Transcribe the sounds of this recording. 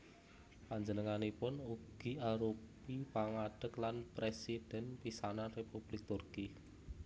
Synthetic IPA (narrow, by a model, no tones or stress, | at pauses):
paɲd͡ʒənəŋanipʊnuɡ̥i̤aɾupipaŋaɖ̥ə̤klanpɾesid̥ɛ̤npisanarepub̥lɪk̚t̪ʊrki